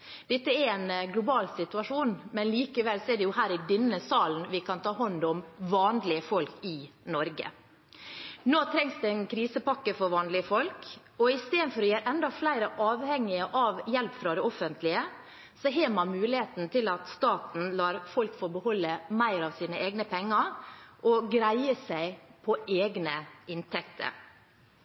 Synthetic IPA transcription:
d̪̥ɛt̪ːəɛɾɛnɡlʊbɑːlsɪt̪ʉɑʂuːnmɛnliːkəʋɛlsɔɛd̪ɛjʊhæːɾɪd̪ɛnːəsɑːln̩ʋɪkʰɑnt̪ʰɑːɦɑnd̪ɔmʋɑːnlɪəfɔlkɪnɔɾɡə̰ | noːt̪ʰɾɛŋsd̪ɛɛnkʰɾiːsəpɑkːəfɔɾʋɑːnlɪəfɔlk | ɔɪst̪eːd̪nfɔɾɔjeːɾɛnd̪ɑflæɪɾəʔɑːʋhɛŋːɪəʔɑʋjɛlpfɾɑd̪ɛɔfənt̪ʰlɪə | sɔɦeːmɑnmʉːlɪheːt̪n̩t̪ʰɪlɑt̪st̪ɑːt̪n̩lɑːɾfɔlkfɔɾbəhɔlːəmæɪɾɑʋsiːnəʔeːɡnəpʰɛŋːəɾʔɔɡɾæɪəsæɪpʰɔʔeːɡnəʔɪnt̪ʰɛkt̪ʰə̰ɾ

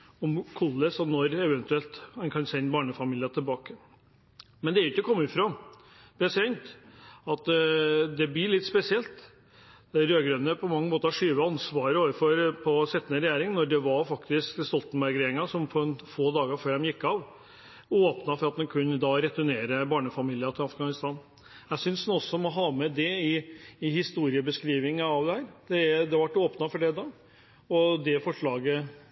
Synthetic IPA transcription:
ɔmkʰʊlːəsɔnɔɾɛʋɛnt̪ʉɛlt̪hɑnkʰɑnsɛnbɑːɳəfɑmiːlɪɑt̪ʰɪlbɑːkə | mɛnd̪ɛæɾʊɪçːɔkʰɔmːɪfɾɑ | pʰɾɛsɪd̪ɛnt̪ɑt̪d̪ɛbliːɭɪt̪ːspɛsɪɛlt̪ | ɾøːɡɾøːnəpʰɔmɑŋːəmoːt̪əhɑʂyːʋəɑnsʋɑːɾəoːʋəɾfɔɾpʰɔsɛt̪ːnəɾɛjæːɾɪŋnɔɖɛʋɑɾfɑkt̪ɪskst̪ɔlt̪n̩bæɾɡɾeːɾɪŋɑsɔmpʰɔnfoːd̪ɑːɡɑɾføːɾɛmjɪkːɑʋ | oːpnɑfɔɾɑt̪̚d̪ɛnkʰʉnːəd̪ɑːɾɛt̪ʉneːɾəbɑːɳəfɑmiːlɪɑt̪ʰɪlɑfɡɑnɪst̪ɑːn | jæɪsʏnsnɔsːɔmɔɦɑːmɛd̪ɛɪːhɪst̪uːɾɪəbəskɾiːʋɪŋəɑʋd̪ɛhæːɾd̪̥ɛd̪ɛʋɑʈːoːpnɑfɔɖɛd̪ɑː | ɔd̪ɛfɔʂɭɑːɡə

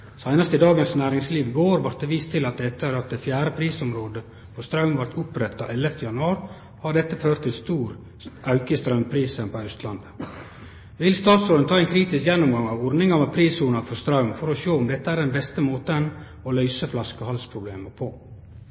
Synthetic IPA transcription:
sæɪnəɾt̪ɪd̪ɑːɡənsnæːɾɪŋsliːʋɡoːɾʋɑɾt̪d̪ɛʋiːst̪ʰːɪlɑt̪̚d̪ɛt̪ːəɾɑt̪̚d̪ɛfjæːɾəpʰɾiːsʊmɾoːd̪ə | pʰɔst̪ɾɑʉmʋæɾt̪ʰʊpɾɛt̪ːɑ̰ʔɛlːəft̪ʰəjɑnʉɑːɾ | hɑɾɖ̪ɛt̪ːəføːɾt̪ʰːɪlst̪uːɾ | ʔɑʉkəst̪ɾɑʉmpʰɾiːsənpʰɔɑœst̪lɑnd̪ə | ʋɪlst̪ɑːt̪sɾoːnət̪ʰɑːɛɪnkʰɾiːt̪ɪskjɛnːʊmɡɑŋɑʋɔɾnɪŋɑmɛpʰɾiːsuːɳɑfɔst̪ɾɑʉmfɔɾɔʃoːʊmd̪ɛt̪ːəæːɾɖd̪ɛnbɛst̪əmoːt̪ən | ɔlœʏsəflɑskɔhɑlspʰɾʊbleːməpʰɔ

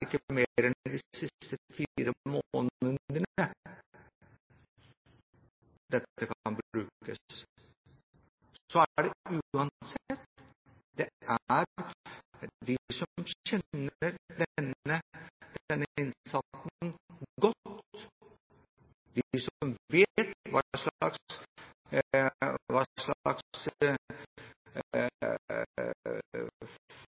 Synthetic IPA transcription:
ɪkːəmeɾɛnd̪ɪsɪt̪əfiːɾəmooːnənd̪ənə | d̪̥ɛt̪ːəkʰnbɾʉːkkə̰s | sɔæɖɛʉɑnsɛt̪ | d̪̥ɛæɾ | d̪ɪsɔmçɛnːəɾd̪ɛnəd̪̥ɛnːəɪnsɑt̪n̩ɡɔt̪ | d̪ɪsmʋeːt̪ʋɑ̰ʂlɑks | ʋɑʂɭɑ̰kss

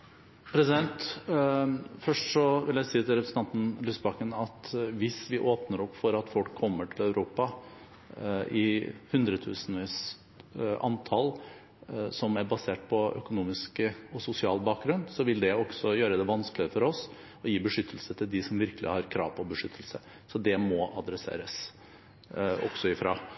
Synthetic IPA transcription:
pʰɾɛsɪd̪ɛnt̪ | fœʂʈʂɔʋɪljæɪsiːət̪ʰɪlɾɛpɾsn̩ɑnt̪n̩lʉsbɑkənɑt̪ʋɪsʋɪʔoːpnəɾɔpːfɔɾɑt̪fɔlkʰːɔmːəʈʰɪlæʉɾʔuːpɑ | ʔɪ̰hʉnd̪ɾət̪ʰʉːsənʋiːs | ʔɑ̰nt̪ʰɑl | sɔmæɾbɑseːʈ̚pʰɔʔœ̰kʊnuːmɪskəɔsʊsɪɑːlbɑːk̚ɡɾʉnsɔʋɪld̪ɛɔksɔjøːɾəd̪ɛʋɑnsklɪəfɔɾɔs | ɔjiːbəʂʏt̪ʰːəl̩sət̪ʰɪld̪ɪsɔmʋɪɾkəlʔɪ̰hɑɾkʰɾɑ̰ːʋpʰɔbəʂʏt̪ʰːəlsə | sɔd̪ɛmɔʔɑd̪ɾɛsḛːɾəs | ɔ̰ɡ̥sɔɪfɾɑː

